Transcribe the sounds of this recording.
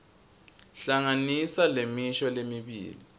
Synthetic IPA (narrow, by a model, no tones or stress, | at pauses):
ɬaŋanisalemiʃɔlemiβḭːli